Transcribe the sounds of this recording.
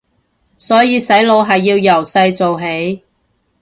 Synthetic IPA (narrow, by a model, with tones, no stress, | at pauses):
sɔː˨˥jiː˧sɐ˨˥jlo˨˧wɦɐ˨jːiː˧wjɐ˨˩wsɐ˧jt͡so˨wɦe˨˥j